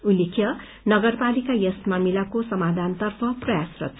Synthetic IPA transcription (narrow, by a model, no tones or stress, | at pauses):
ulekʰjʌ | nʌɡʌrpalikajʌsmamilakosʌmad̪ʱant̪ʌrpʰʌprʌjasrʌ̰